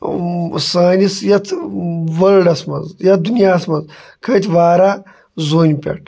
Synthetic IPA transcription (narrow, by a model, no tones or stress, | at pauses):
saːnisjɐt̪ʰʋɐlɖɐsmɐ̰nzjɐt̪d̪unjaːsmɐnz | kʰɐt̪ʲʋaːɾa | zoːnʲpʲɐ̰ʈʰ